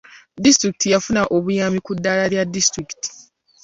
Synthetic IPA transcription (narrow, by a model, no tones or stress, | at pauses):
distɾiki̥tijafunaʔo̞βujamikudːalaɾjadːistɾiki̥ti̥